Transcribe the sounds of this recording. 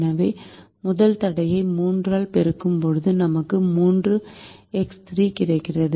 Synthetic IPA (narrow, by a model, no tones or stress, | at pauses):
nɐʋɐɪ | mʊðɐlt̪ɐɽɐjɐɪmuːndraːlpɛɾɯkːɯmpɔɻɯðɯnɐmɐkːɯmuːndrɯɛkst̪ɾiːkɪrɐɪkːɪrɐðɯ